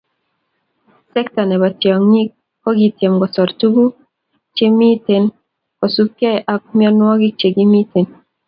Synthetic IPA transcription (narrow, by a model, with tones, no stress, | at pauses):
sɛ˦k̚ta˨nɛ˨ba˨tjɔ˨ŋi˦k̚ | kɔ˦ɡi˨tje˨mɡɔ˨sɔ˨ɾtu˦ɡu˦ | t͡ʃe˦mi˦te˨n | kɔ˨su˦pkjɛ˦ɛ˨ʔa˦k̚mi˦ɔ˦nwɔ˦ɡi˦k̚t͡ʃe˨ɡi˦mi˦te˨n